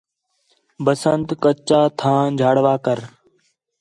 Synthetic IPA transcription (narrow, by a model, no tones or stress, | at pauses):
bəsənt̪kət͡ʃaːt̪ʰãːd͡ʒʱaːɽʋaːkəɾ